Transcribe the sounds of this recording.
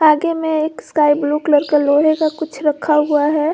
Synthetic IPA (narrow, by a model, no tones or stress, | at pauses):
aːɡemẽeːkskaiblukləɾkəloɦeɡakʊt͡ʃʰɾəkʰaɦuaɦɛ